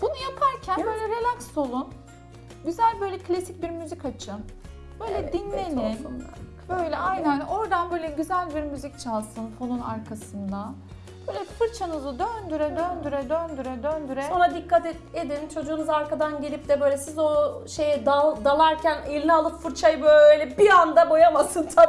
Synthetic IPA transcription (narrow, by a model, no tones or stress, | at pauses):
b̥unujapʰaɾcʰænbø̞jlʲɛɾelʲˠakso̞lˠun | ɟyzælʲbøjlʲɛkʰlʲasic̚biɾmyzicat͡ʃʰɯn | b̥ø̞jlʲɛinːenin | b̥øjlʲɛajnæno̞ɾd̪anbøjlʲɛɟyzælʲbiɾmyzic̚t͡ʃʰalˠsɯnfo̞nunaɾkʰasɯnd̪a | b̥øːjlʲɛfɯɾt͡ʃʰanɯzɯd̪ønd̪yɾɛd̪ønd̪yɾɛd̪ønd̪yɾɛd̪ønd̪yɾɛsonad̪ikːat̪e | ed̪int͡ʃʰo̞d͡ʒuːnuzaɾkad̪anɟelʲip̚d̪ɛbø̞jlʲɛsizo̞ʃe̞jɛd̪ad̪alˠaɾcʰænelʲinialˠɯpfɯɾt͡ʃʰajɯbøøjlʲɛbiand̪abo̞jamasɯnt̪ʰa